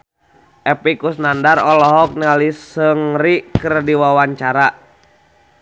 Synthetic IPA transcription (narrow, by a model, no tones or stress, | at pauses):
ʔɛpikusnandarɔlɔɦɔk̚nalisəŋrikərdiwawaɲt͡ʃaɾa